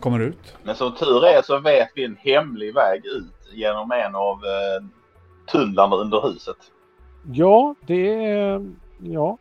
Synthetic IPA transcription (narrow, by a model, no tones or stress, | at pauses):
kʰɔmːəɖɛʉ̟ːt̪mɛnsɔmt̪ʰʉ̟ːɾɛsɔvɛːt̪vɪɛnhɛmlɪɡvɛːɡʉ̟ːt̪jeːnɔmɛnɑv | t̪ʰɵnd̪laɳaɵnd̪əɾhʉ̟ːsət̪ | jɑːd̪ɛ | jɑː